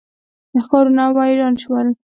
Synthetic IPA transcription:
d̪axɑɾunawajɾɑnʃwəl

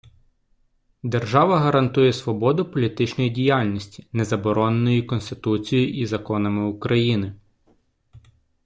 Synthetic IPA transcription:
d̪erʒɑʋɐɦɐɾɐnt̪ujɛsʋɔbɔd̪ʊpɔlʲit̪ɪt͡ʃnɔjidʲijɑlʲnʲisʲtʲi̥nɛzɐbɔɾɔnenɔjikɔnst̪ɪt̪ut͡sʲijʊʔizɐkɔnɐmɪʊkɾɐjinɪ

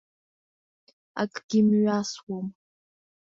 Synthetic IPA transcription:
a̰kʼɡ̥ʲɪmɥaswom

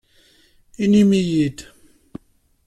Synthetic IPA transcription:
inimijid̪

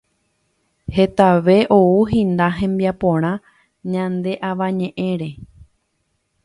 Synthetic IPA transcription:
he̞t̪aʋe̞ʔo̞uɦĩnd̪aɦẽ̞mbiapõɾ̃ã | ɲãnd̪e̞ʔaʋãɲẽ̞ʔẽ̞ɾe̞

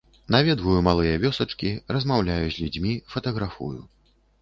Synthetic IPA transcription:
navʲɛd̪vujumalˠɨjɐvʲɔsɐt͡ʂkʲiɾɐzmawlʲajuzʲlʲud͡zʲmʲifɐt̪ɐɣɾafṵju

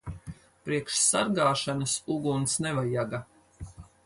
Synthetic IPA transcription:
pɾiɛkʃsaɾɡaːʃanɐsuɡunsnɛvajaɡa

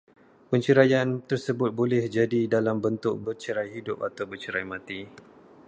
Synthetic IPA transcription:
pəɲt͡ʃəɾajant̪ərsəbʊt̪̚bolɛhd͡ʒadidalambənt̪ʊk̚bərt͡ʃəɾajɦidʊpat̪awbərt͡ʃəɾajmãt̪i

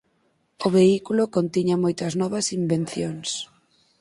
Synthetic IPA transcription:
ʊβ̞eikulʊkont̪iɲɐmojt̪ɐznɔβɐsimbenθjoŋs

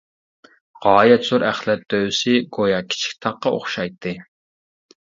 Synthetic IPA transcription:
ʁɑːjɛt̪z̥uɾʔæχlɛt̪̚d̪øwsɪɡojɑkʲʰi̥t͡ʃʰi̥k̚ʲt̪ʰɑqːɑo̰χʃɑjt̪ʰːɨ

